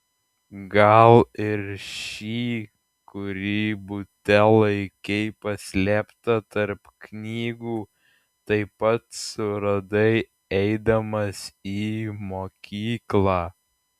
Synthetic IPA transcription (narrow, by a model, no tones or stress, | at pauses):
ɡɐlˠɪɾʃʲiː | kʊɾʲiːbʊt̪ʲɛlˠɐɪkʲɛɪpɐsʲlʲæːpt̪ɐt̪ɐɾpknʲiːɡuː | t̪ɐɪpɐt̪sʊɾɐd̪ɐɪ | ɛɪd̪ɐmɐsiːmoːkʲiːklˠɑː